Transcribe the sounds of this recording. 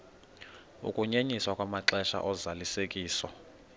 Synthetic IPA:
ṵkʼuɲeɲiswakʼwamaǁɛʃa̰ʔɔzalisekʼiːsɔ̰

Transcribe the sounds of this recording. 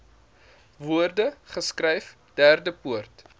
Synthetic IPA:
vuərdəχəskrɛjf | d̥æːrdəpuərt

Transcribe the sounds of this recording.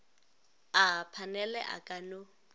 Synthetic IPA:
apʰanɛlɛ̰ʔa̰kʼano

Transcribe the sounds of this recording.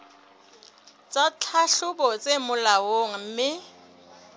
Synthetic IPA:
t͡sʼat͡ɬʰaɬʊbɔt͡sʼemʊlawoŋ̩m̩mɪ

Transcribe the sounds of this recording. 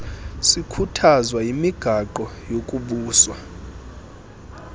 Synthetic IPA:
sikʰutʰazwaimiɡ̥ʱaǃɔjokʼuɓuːswa

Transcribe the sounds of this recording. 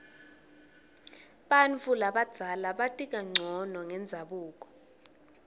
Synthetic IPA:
ɓanfulaɓad̥z̥ʱalaɓatʼik̬aŋ͡ǀʱɔnɔŋɛnd͡zʱaɓuːk̬ɔ̥

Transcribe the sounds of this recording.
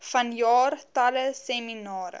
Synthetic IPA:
fɐnjɑːrtɐləseminɑːɾə̰

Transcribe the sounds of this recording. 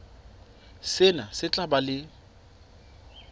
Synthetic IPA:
sɪnasɪt͡ɬʼabalɪ

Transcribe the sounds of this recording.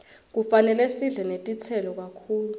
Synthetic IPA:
k̬ufanɛlɛsiɮɛnetʼit͡sʰɛlɔk̬akʰuːlu

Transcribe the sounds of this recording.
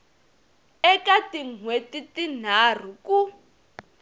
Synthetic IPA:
ɛkatiŋwetitin̤ar̤uku

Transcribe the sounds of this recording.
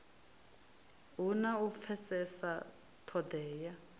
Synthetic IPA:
ɦunaufʰɛsɛsa | tʰɔdɛːja

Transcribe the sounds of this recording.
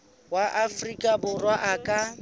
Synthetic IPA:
waʔafrikʼabʊrwaʔakʼa

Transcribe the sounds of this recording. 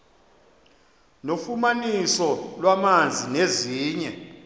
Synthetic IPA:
nofumanisɔlwamand͡zʱineziːɲɛ

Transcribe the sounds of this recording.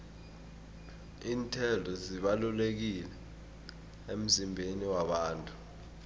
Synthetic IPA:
iːntʰɛldʱɔziɓalulek̬ilɛ | em̩zimbʱeniwaɓaːntʼu̥

